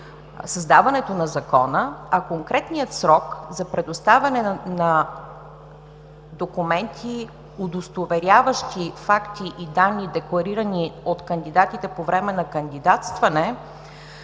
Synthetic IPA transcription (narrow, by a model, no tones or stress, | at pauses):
səzd̪avɐnɛt̪onɐzɐkɔnəɐkoŋkɾɛt̪nijət̪sɾɔkzɐpɾɛd̪ost̪avɐnɛnɐ | d̪okumɛnt̪ʰi | ʊd̪ost̪ovɛɾʲjavəʃt̪ifakt̪iʔid̪anːid̪ɛklˠɐɾiɾəniot̪kənd̪id̪at̪it̪ɛpovɾɛmɛnɐkənd̪id̪at̪st̪vɐnɛ